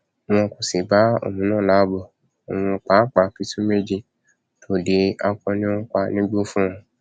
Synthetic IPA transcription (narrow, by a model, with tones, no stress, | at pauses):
mɔ̃˧ko˨si˨ba˨˦o̰˨mũ˨˦nãː˦˨la˨˦bɔ˦˨ | o˨w̃ɔ̃˧k͡pa˨˦k͡pa˧˨pi˨˦tũ˦me˦d͡ʒi˧ | tʰo˨li˨˦a˧kɔ̃˧nĩ˦ɔ̃˦k͡pa˧nĩ˦ɡ͡bu˦fũ˦ɔ̃˧